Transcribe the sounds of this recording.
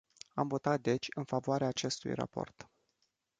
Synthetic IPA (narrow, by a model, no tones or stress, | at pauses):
amvo̞t̪at̪̚d̪e̞t͡ʃʲɨnfavoaɾeaːt͡ʃe̞st̪ṵjra̰po̞̰rt̪